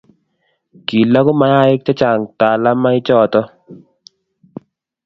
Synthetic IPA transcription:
ki˨la˦kʊ˦ma˨˦ja˦ɪ˦k̚t͡ʃa˦t͡ʃa˨ŋta˨la˦ma˦ɪ˦t͡ʃɔ˦˨tɔ˦

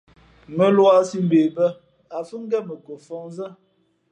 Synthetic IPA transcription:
mə˦lwa˦si˦m̩˨be˨bə˦ | a˨fə˦ŋ̩˦ɡɛ˦mə˨ko˨fɔ˦ŋzə˦

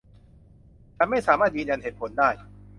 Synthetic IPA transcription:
t͡ɕʰa˧˥nma˥˩jsaː˩˦maː˥˩jiː˧nja˧nheː˩t̪̚pʰo˩˦ndaː˥˩j

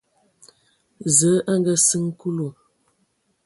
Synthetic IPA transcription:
zə˨˦ʔə˦ŋ˦ɡə˦sɨ˦ŋku˦lo˨

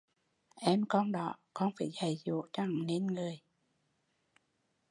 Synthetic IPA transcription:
ʔɛ˧mkɔ˧nɗɔ˨˦kɔ˧nfaː˧˩˦jɣa˨˩jzṵ˧˨˦t͡ɕa˧˩ŋne˧nŋɨ˨˩əj

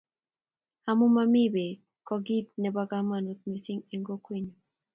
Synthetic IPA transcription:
ha˨mu˦ma˦mi˦be˨ | kɔ˨ɡi˦t̪̚nɛ˨baɡa˦ma˨nu˨t̪̚me˨si˦ŋe˨ŋɡo˦kwi˦ɲo˨

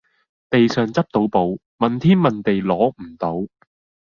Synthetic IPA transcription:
t̪e˨jsœː˨ŋt͡sɐ˥p̚t̪o˨˥wpo˨˧˥w | mɐ˨nt̪ʰiː˥nmɐ˨nt̪e˨jlɔː˨˥m̩˨˩t̪o˨˥w

